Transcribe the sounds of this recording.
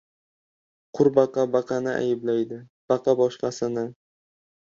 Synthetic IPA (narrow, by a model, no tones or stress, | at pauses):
qʰʊɾbɑqɑbɑqʰɑnɪʔa̰jɪblajd̪ɪb̥ɑqʰɑbɒʃqɑsɪnɪ